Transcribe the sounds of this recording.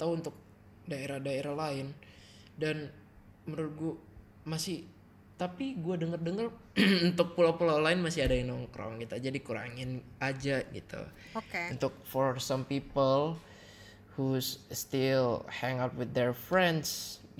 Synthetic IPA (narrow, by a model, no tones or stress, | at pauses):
t̪auunt̪ʊk̚ | daeɾahdaeɾahlaɪn | dan | məɾut̪̚ɡua | masɪh | t̪apiɡuadəŋərdəŋər | unt̪ʊk̚pulawpulawlaɪnmasɪadainɔŋkɾɔ̰ŋkit̪ad͡ʒadikuɾa̰ŋɪnad͡ʒaɡḭt̪ṵ | okunt̪ʊk̚fɔɾsampipəl | husst̪ɪlhɛŋat̪̚wɪθ̚dɛrfɾɛnds